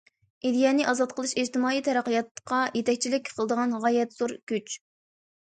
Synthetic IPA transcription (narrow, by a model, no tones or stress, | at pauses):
ʔid̪jɛnɨʔɑzɑt̪̚qʰəlˠɨʃed͡ʒt̪ɨmɑːijt̪ʰɛɾæqijɑt̪qʰɑjet̪ʰɛkʲt͡ʃʰilɪkʲqʰəlˠəd̪əʁɑnʁɑjɛt̪z̥oɾkʲyt͡ʃ